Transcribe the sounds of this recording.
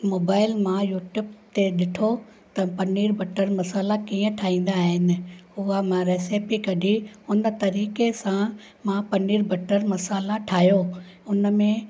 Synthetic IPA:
moːbaːɪlmãjuːʈjuːbt̪eɗɪʈʰo | t̪ɐpɐniːɾbʱɐʈəɾmɐsaːlakiːə̃ʈʰaːɦĩːn̆d̪aːɦɪnɪ̆ʊɦamãɾeːseːpikɐɖiʊnə̆t̪ɐɾiːkesã | mãːpɐniːɾbʱɐʈəɾmɐsaːlaʈʰaːɦjo | ʊnəmẽ

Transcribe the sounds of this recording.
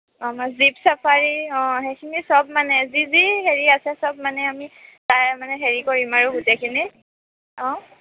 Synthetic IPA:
ɔmazipsapʰaɹiɔ̃ɦekʰinisɔb̚manɛziziheɹiasɛsɔb̚manɛamitajmanɛɦeɹikoɹimaɹuɡutɛkʰini | ɔ̃

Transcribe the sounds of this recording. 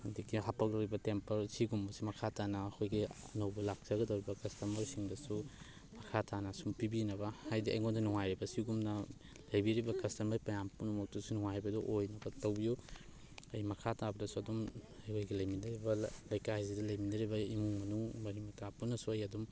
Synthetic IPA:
aŋdikiɦapʰak̚lɐwɾibɐtempɐɾsiɡumbɐsimɐkʰatanɐːkʰojɡiɐ̰nɐwbulak̚t͡ʃɐɡɐdɐwɾibɐkɐstɐmɐɾsiŋdɐsu | mɐkʰatʰanɐsumpibinɐbɐhajdiʔɐ̰jŋondinuŋajɾibɐsiɡumnɐ | lɐjbiɾibɐkɐstɐmɐɾpɐjampunumɐk̚tusunuŋajbɐdɔʔojnɐbɐtɐwbiju | ɐjmɐkʰatabɐdɐsuɐdumɐjojɡilɐjminɐɾibɐlɐjkahijzidɐlɐjminɐɾibɐimuŋmɐnuŋmɐɾimɐtʰapunːɐsuɐjɐdum

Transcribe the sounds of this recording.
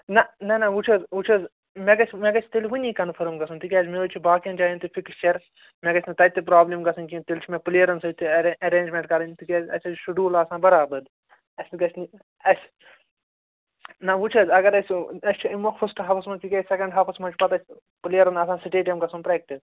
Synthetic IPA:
nɐnɐnɐʋut͡ʃʰɐzʋut͡ʃʰɐz | meɡɐt͡ʃʰʲmeɡɐt͡ʃʰʲt̪elʲʋunʲiːkɐnfʰɐɾmɡɐsɐnt̪ikʲiaːd͡ʒmeʋɐt͡ʃʰibaːkijɐnd͡ʒaːjinʲt̪ifʰiklʃɐɾ | meɡɐt͡ʃʰnɐt̪ɐjt̪ːip̬ɾaːblʲɐmɡɐsɐnkit̪ilʲt͡ʃʰimeplijɐɾɐnsɐjʲt̪ʰiɐɾẽːnd͡ʒmʲẽɳʈkɐɾɐnʲt̪ikʲezɐ̰sʲɐzʃuɖuːlaːsãːbɐɾaːbɐd̪ | ɐsʲɡɐt͡ʃʰni | ɐsʲ | nɐʋut͡ʃʰɐzɐɡɐɾɐsʲɐsʲt͡ʃʰimɐxfɐsʈɦaːpʰɐsmɐnt̪ʰikʲɐːsɛkɐ̃ɳɖɦaːpʰɐsmɐnt͡ʃʰpɐt̪ɐsʲ | plijɐɾɐnɐs̬ãːsiʈeːʈjɐmkɐsɐnpɾɛːk̚ʈis

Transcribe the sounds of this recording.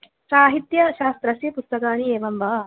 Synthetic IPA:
saːɦit̪jɐʃaːst̪ɾɐsipust̪ɐkaːnieːʋɐmbɐ

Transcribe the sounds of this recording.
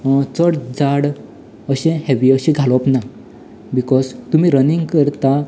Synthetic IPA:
t͡səɽd͡zaɽ | əɕɛ̃hɛʋiəɕĩɡʱalɔpna | bikɔzt̪um̤iɾəniŋɡkəɾt̪a

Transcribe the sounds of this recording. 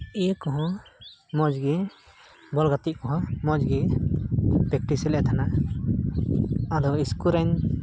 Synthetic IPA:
ijəkɔɦɔ̃mɔd͡ʒɡi | bɔlɡat̪iʔ̚kɔɦɔ̃mɔd͡ʒɡi | pɛk̚ʈisɛlɛt̪ʰana | ad̪ɔiskuɾaɲ

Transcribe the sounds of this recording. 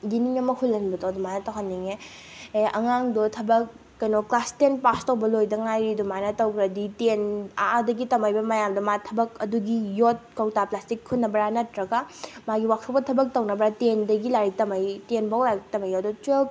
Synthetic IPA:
diniŋɐmɐkʰulːɐnbɐtodumajnɐtɐwɦanːiŋe | ʔɐ̰ŋaŋdɔtʰɐbɐk̚ː | ɐjnoklastenpastɐwbɐlojdɐŋajɾidumajnɐtɐwkɾɐditena̰ʔadɐɡitɐmajbɐmɐjamdɐmatʰɐbɐkɐduɡijot̚kɐwtaplastikʰːutnːɐbɐɾanɐtɾɐɡamaɡiwak̚ʰɐwpɐtʰɐbɐk̚tɐwnɐbɾatendɐɡilaɾitɐmɐjtenbawlaɡitɐmajadɔt͡ʃuel

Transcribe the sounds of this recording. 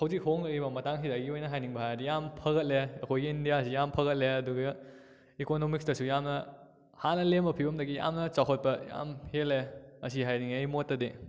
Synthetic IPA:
hɐwzikɦoŋlɐibɐmɐtaŋsidɐɡiojnɐɦajniŋbɐɦajdijampʰɐɡɐt̚leɐkʰojɡiːndijasijampʰɐɣɐt̚leɐduɡ | ikonomiksdɐsujamnɐ | hanːɐlembɐpʰibɐmdɐɡija̰mnɐt͡ʃaɦot̚pɐja̰mheleɐs̬iɦajniŋɐjmotːɐde

